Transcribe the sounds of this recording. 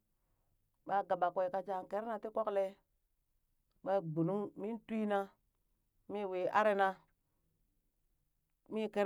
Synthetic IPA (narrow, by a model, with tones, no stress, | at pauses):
ɓa˨ɡa˨ɓa˨kʷo˨i˨ka˨d͡ʒa˨ŋ˨ke˦ɾna˨ti˦ko˦kle˦ | ɓa˦ɡ͡bu˨nu˦mi˦nti˦na˦ | mi˦˨we˨a̰˦ɾe˦na˦ | mi˦ke˦ɾ